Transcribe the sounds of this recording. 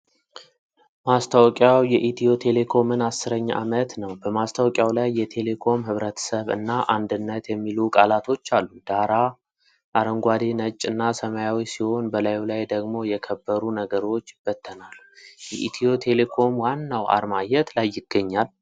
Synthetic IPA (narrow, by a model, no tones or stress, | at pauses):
mast̪ʰawkʼjawjɛʔit̪ʰijo̞t̪ʰe̞le̞kʰo̞mɨnasːɨɾəɲːʔa̰mət̪nəwbəmast̪ʰawkʼjawlajːɛt̪ʰe̞le̞kʰo̞mhɨβɾət̪ʰə̥səβɨ̰nːaʔand̪ɨnːət̪jɛmːilukʼalat̪ʰo̞t͡ʃːalːud̪̥aɾa | ʔaɾəŋɡʷad̪enət͡ʃʼːɨnːasəmajawisiho̞nbəlajlajd̪əɡmo̞jɛkʰəbːəɾunəɡəɾo̞t͡ʃːb̥ət̪ʰːənalːujɛʔit̪ʰio̞t̪ʰe̞le̞kʰo̞mwanːawa̰ɾmajɛt̪lajːɪɡ̥ːəɲːal